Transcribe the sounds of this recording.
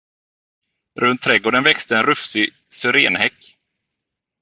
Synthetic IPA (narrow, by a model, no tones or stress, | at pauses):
ɾʔɵnt̪ʰːɾɛɡoːɖənvɛkst̪əɛnɾɵfsɪ | sʏɾeːnhɛkː